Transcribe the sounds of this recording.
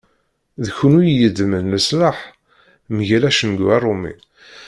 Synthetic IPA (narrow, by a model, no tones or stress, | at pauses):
ðçʊnujjəd̪mənləslaħ | mʝælæʃənɡærˤːʊmḭ